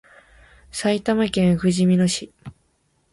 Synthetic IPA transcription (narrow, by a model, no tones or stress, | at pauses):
sait̪amakẽ̞ɰ̃ɸɯ̟ʑimʲinoɕi